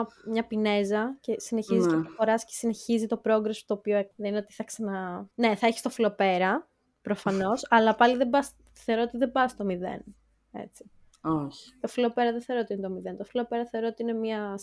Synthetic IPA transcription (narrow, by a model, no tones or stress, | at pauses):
mɲɐpine̞zɐce̞sine̞çiziseɐfoɾɐscesine̞çizit̪o̞pɾo̞ɡɾest̪oːpioeðenineot̪i̥θɐksɐnɐne̞θɐeçi̥st̪ofilo̞pe̞ɾɐ | pɾo̞fɐno̞sɐlɐpɐliðebɐs | θeoɾot̪iðe̞bɐst̪o̞miðḛn | ḛt͡si̥ | oçt̪ofilo̞pe̞ɾɐðeθe̞ɾot̪inet̪o̞miðe̞nt̪ofilo̞pe̞ɾɐθeo̞ɾoot̪iine̞miɐ